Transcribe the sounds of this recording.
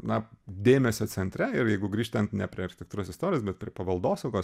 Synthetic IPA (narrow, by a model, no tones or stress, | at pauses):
nɐd̪ʲeːmʲɛsʲoːt͡s̪ʲɛnʲt̪ʲɾʲɛɪɾjɛɪɡʊɡɾʲiːʃt̪ɐnt̪nʲɛpʲɾʲiɛɐɾxʲɪt̪ʲɛkt̪uːɾoːsɪst̪oːɾʲɪjoːs̬bʲɛt̪̚pʲɾʲiɛpɐʋɐlˠd̪oːsɐʊkoːs